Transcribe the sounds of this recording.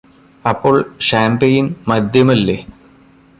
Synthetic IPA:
ɐpːo̞ːɭɕaːmbejinmɐd̪ʱjɐmɐlːeː

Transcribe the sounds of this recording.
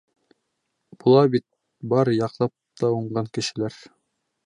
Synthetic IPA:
b̥ulˠɑbit̪̚ | bɑɾjɑqlˠɑp̚t̪ɑuɴɢɑŋkɘ̆ʃɘ̆læɾ

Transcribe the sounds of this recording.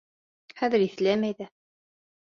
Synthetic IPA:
χæðɘɾiθlæmæjðæ

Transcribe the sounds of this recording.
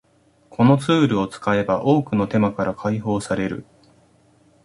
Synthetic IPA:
kʰo̞no̞t͡sɨːɾɯ̟o̞t͡sɨ̥kae̞baʔo̞ːkɯ̟no̞t̪e̞makaɾakʰaiɦo̞ːsaɾe̞ɾɯ̟̰

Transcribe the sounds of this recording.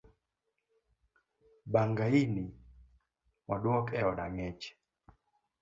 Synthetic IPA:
baŋɡaini | waɗwɔkɛɔnaŋɛt͡ʃɛ̥

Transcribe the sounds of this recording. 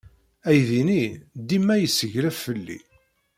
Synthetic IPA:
æjðinid̪imːæjəsəʝɾævfəlːḭ

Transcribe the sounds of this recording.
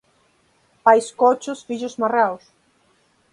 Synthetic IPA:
pajskot͡ʃʊsfiʎʊzmaraws

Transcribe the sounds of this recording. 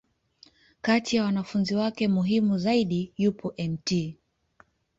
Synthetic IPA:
katijawanafunziwakɛmuɦimuzaiɗijupʰɔʔɛmti

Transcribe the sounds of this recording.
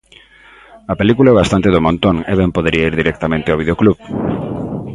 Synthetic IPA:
ɐpelikulaɛβast̪ant̪eðomõnt̪oŋɛβɛmpoðeɾiaiɾðiɾek̚t̪amẽnt̪ɪaβiðeokluβ

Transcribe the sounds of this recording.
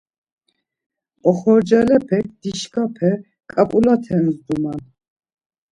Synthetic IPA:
ɔχɔɾd͡ʒɛlɛpʰɛk̚d̪̥iʃkʰapʰɛ | kʼapʼulat̪ʰɛmzd̪uman

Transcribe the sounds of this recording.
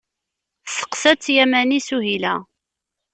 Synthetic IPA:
sə̥qsæt͡sːjæmænisuɦilæ

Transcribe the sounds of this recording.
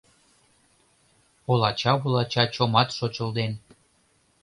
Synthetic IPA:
olˠɑt͡ɕɑβulɑt͡ɕɑt͡ɕomɑt̪ʃot͡ɕəld̪en

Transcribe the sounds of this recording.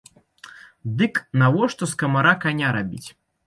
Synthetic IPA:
d̪ɨknavɔʂt̪ɔskɐmaɾakanʲaɾabʲḭt͡sʲ

